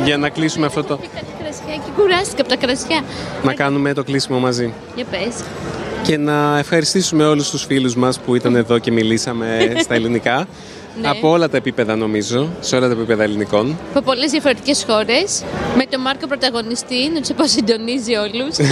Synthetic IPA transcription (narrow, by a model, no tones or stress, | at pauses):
ʝɐnɐklisumeɐft̪o̞t̪oiɐt̪ɐkɾɐt͡sçɐcikuɾɐst̪i̥kɐpot̪ɐkɾɐsçɐnɐkɐnume̞t̪o̞klisimo̞mɐzi | jɐpes | ce̞nɐe̞fxɐɾist̪isume̞o̞lust̪usfiluzmɐspuit̪ɐne̞ðo̞ce̞milisɐme̞st̪ɐelinikɐ | nɐo̞o̞lɐt̪ɐepipe̞ðɐno̞mizo̞seo̞lɐt̪ɐepipe̞ðɐeliniko̞nɐpopo̞lezðiɐfoɾe̞t̪icesxo̞ɾe̞smet̪o̞mɐɾkopɾot̪ɐɣo̞nist̪inot̪seposind̪o̞nizio̞lus